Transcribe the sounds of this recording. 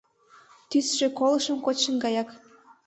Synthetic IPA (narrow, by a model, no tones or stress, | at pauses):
t̪ysʃekolˠə̆ʃə̆mkot͡ɕə̆nɡɑjɑk